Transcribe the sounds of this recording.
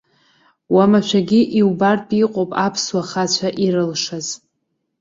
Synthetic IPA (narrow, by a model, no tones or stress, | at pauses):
wamaʃʷʰᶣaɡʲiʔiwbarpʰʼiqʷʼopʼapʰswaχat͡ɕʷʰaʔirɨlʂaz̥